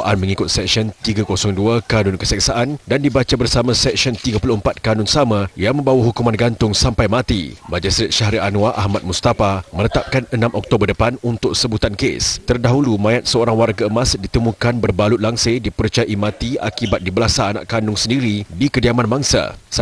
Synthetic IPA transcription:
aʔanmə̃ŋikʊt̪̚sɛk̚siɔnt̪iɡakosɔŋduakanʊnkəsɛksaʔandandibat͡ʃabərsamãsɛksɔnt̪iɡapuluəmpat̪̚kanʊnsamãjaŋmə̃mbawaɦukumãnɡant̪ʊŋsampajmat̪ḭbad͡ʒasɾɛt̪̚ʃaɦɾiʔanũaʔahmat̪̚must̪afamənət̪ap̚kanənãmʔɔk̚t̪obərdəpanunt̪ʊk̚səbut̪ankḛst̪ərdaɦulumãjat̪̚səoɾaŋwarɡaəmasdit̪əmũkanbərbalʊt̪̚laŋsedipəɾt͡ʃajaʔimãt̪ia̰kibat̪̚dibəlasaːna̰ʔkanʊŋsəndiɾidikədiamanbaŋsa̰s

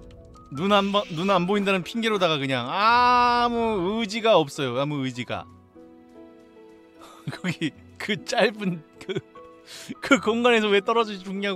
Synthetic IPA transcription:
nunambʌːunanboindanɯnpʰiŋɡeɾodaɣakɯɲaŋamuɯd͡ʑiɡaʌp̚s͈ʌjoamuɯd͡ʑiɡa̰ | kʰʌɡi | kɯt͡ɕ͈aɭbɯnkɯ | kɯkoŋɡane̞s̬ʰʌwe̞t͈ʌɾʌd͡ʑɯit͡ɕuŋɲoɦa

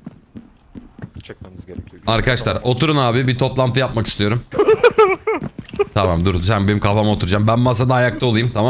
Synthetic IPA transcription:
aɾkʰad̪aʃlˠaɾo̞t̪ʰuɾunaːbibit̪ʰo̞plˠant̪ʰɯjap̚maki̥st̪ʰijo̞ɾum | t̪ʰamamd̪uɾd̪usænbe̞nimkʰafamao̞t̪uɾud͡ʒambænmas̬ad̪aːjak̚t̪ʰaolˠɯjɯmt̪ʰama

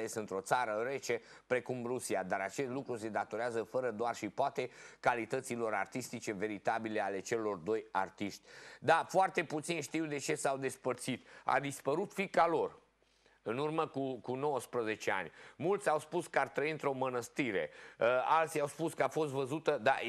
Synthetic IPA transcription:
esɨnt̪ɾo̞t̪saɾəɾe̞t͡ʃe̞ | pɾe̞kumrusiad̪aɾat͡ʃe̞st̪lukɾuse̞d̪at̪o̞ɾeazəfəɾəd̪oarʃipoat̪e̞kalit̪ət̪silo̞ɾa̰rt̪ist̪it͡ʃe̞ve̞ɾit̪abile̞ale̞t͡ʃe̞lo̞rd̪o̞ja̰rt̪iʃt̪ʲd̪afoart̪e̞put̪sinʃt̪iwd̪e̞t͡ʃe̞sawd̪e̞spərt̪sit̪a̰d̪ispəɾut̪fikalo̞r | ɨnurməkukuno̞wəspɾəze̞t͡ʃe̞a̰nʲmult̪sʲawspuskəart̪ɾəiɨnt̪ɾo̞mənəst̪iɾe̞̰əa̰lt̪siawspuskəafo̞st̪vəzut̪əd̪a̰

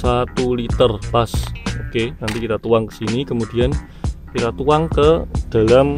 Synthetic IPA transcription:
sat̪ulit̪ərpasokenant̪ikit̪at̪uwaŋkə̥sinikəmud̥i̤an | kit̪at̪uwaŋkəd̥a̤lam

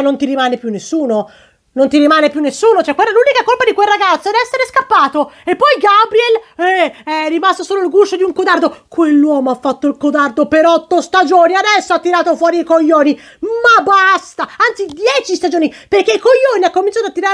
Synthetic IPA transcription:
nont̪iɾimaːnepjunːesːuːno | nont̪iɾimaːnepjunːesːuːnot͡ʃoɛkːwɛlːaluːnikakolpad̪ikwelraɡat̪sːod̪iɛsːeɾeskapːaːt̪oepːɔjɡabɾiɛlɛɛrːimast̪osoːloilɡuʃod̪iuŋkod̪ard̪okwelːwɔːmoafːat̪ːoilkod̪ard̪opeɾɔt̪ːost̪ad͡ʒoːniad̪ɛsːoat̪ːiɾaːt̪ofwɔːɾiikoʎːoːni | mabast̪aant̪sid̪jɛːt͡ʃist̪ad͡ʒoːniperkːeikoʎːoːniakːomint͡ʃ̪at̪at̪ːiɾaː

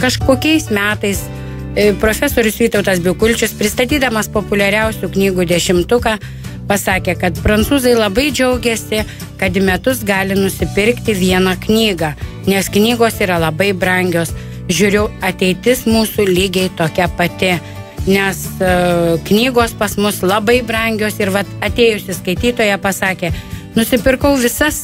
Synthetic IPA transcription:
kɐʃkoːkʲɛɪsmʲæːt̪ɐɪs | pɾoːfʲɛsoːɾʲʊsʋʲiːt̪ɐʊt̪ɐs̬bʲɪkʊlʲt͡ʃʲʊspʲɾʲɪst̪ɐt̪ʲiːd̪ɐmɐspoːpʊlʲɛɾʲɛʊsʲuknʲiːɡuːd̪ʲɛʃʲɪmt̪ʊkɑ | pɐsɑːkʲeːkɐt̪pɾɐnt̪suːzɐɪlˠɐbɐɪd͡ʒʲɛʊɡʲɛsʲɪ | kɐt̪ɪmʲɛt̪ʊsɡɑːlʲɪnʊsʲɪpʲɪɾʲkt̪ʲɪʋʲiɛnɐknʲiːɡɑ | nʲɛsknʲiːɡoːsiːɾɐlˠɐbɐɪbɾɐŋʲɡʲoːs | ʒʲʊːɾʲɛʊɐt̪ʲɛɪt̪ʲɪsmuːsulʲiːɡʲɛɪt̪oːkʲɛpɐt̪ʲɪ | nʲɛs | knʲiːɡoːspɐsmʊslˠɐbɐɪbrɐŋʲɡʲoːsɪɾʋɐt̪ɐt̪ʲeːjʊsʲɪskɐɪt̪ʲiːt̪oːjɛpɐsɑːkʲeːnʊsʲɪpʲɪrkɐʊʋʲɪsɐs

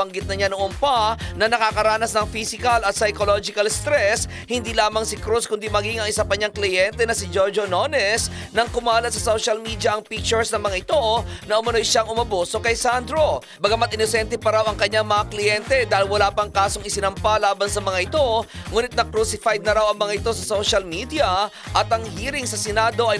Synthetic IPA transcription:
bɐŋɡɪt̪̚nɐɲanoʔonpɐnɐnɐkakɐɾaːnɐsnɐŋfisɪkɐlɐt̪sɐjkolod͡ʒɪkɐlst̪ɾɛs | hɪnd̪iːlaːmɐŋsɪkɾuskʊnd̪imɐɡiŋɐŋɪsapɐɲaŋklɪjɛnt̪ɛnɐsɪd͡ʒoɹd͡ʒononɛs | nɐŋkʊmaːlɐt̪̚sɐsoʃɐlmid̪jɐʔɐŋpik̚t͡ʃʊɹsnɐŋmɐŋaɪt̪o̞nɐʔʊmɐno̞jʃaŋʊmɐboso̞kɐjsand̪ɾo̞ | bɐɡɐmat̪ʔɪnosɛnt̪ɛpɐɾawɐŋkɐɲaŋmɐŋaklɪjɛnt̪ɛd̪aːhɪlwɐlaːpɐŋkaːso̞ŋɪsɪnɐmpalaːbɐnsɐmɐŋaʔɪt̪o̞ŋuːnɪt̪̚nɐkɾusɪfajd̪̚nɐɾawɐŋmɐŋaʔɪt̪o̞sɐsoʃɐlmid̪ijɐʔɐt̪ɐŋɦiːɾɪŋsɐsɛnaːd̪o̞ʔɐj

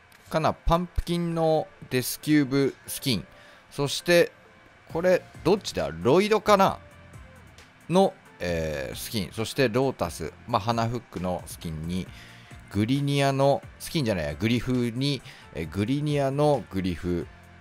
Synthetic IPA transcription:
kanapãmpɯ̟̥kʲĩnno̞d̪e̞sɨ̥kʲɨːbɯ̟sɨ̥kʲĩɴ̃ | so̞ɕi̥t̪e̞ | kʰo̞ɾe̞d̪o̞t͡ɕːid̪a̰ɾo̞id̪o̞kana̰ | no̞ | eːsɨ̥kʲḭ̃ɰ̃so̞ɕi̥t̪e̞ɾo̞ːt̪asɨ̰maɦanaɸɯ̟kːɯ̟no̞sɨ̥kʲĩɲ̟ːi | ɡ̥ɯ̟ɾʲiɲʲiano̞sɨ̥kʲĩɲ̟d͡ʑanaij̪aɡɯ̟ɾʲiɸɯ̟ɲ̟i | ḛɡɯ̟ɾʲiɲ̟iano̞ɡɯ̟ɾʲiɸɯ̟

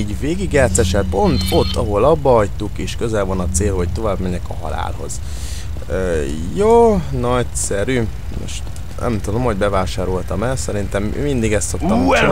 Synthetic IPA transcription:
iːɟveːɡiɡːɛːt̪sɛʃɛlt̪̚po̞nt̪o̞t̪ːɒɦo̞lɒbːɒɒjt̪ukeːʃkø̞zɛlvɒnɒt̪seːlhoc̚t̪o̞vaːbmɛɲɛkɒɦɒ̰la̰ːlho̞̰z̥ | ø | joːnɒcsɛɾyː | mo̰ʃt̪ | nʔɛ̰mt̪ud̪o̞mho̞ɟbɛvaːʃaːɾo̞lt̪ɒmɛlsɛɾint̪ɛm̰mind̪iɡɛst̪so̞kt̪ɒt͡ʃ

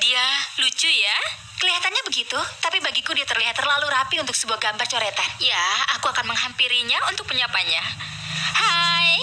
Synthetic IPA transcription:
dialut͡ʃʊja | kəliɦat̪anɲabəɡit̪ut̪apibaɡikudiat̪ərliɦat̪ːərlaluɾapiunt̪̬ʊk̚səbuahɡambart͡ʃoɾet̪anjaakuakanməŋɦampiɾiɲaunt̪ʊk̚pəɲapaɲa | haj

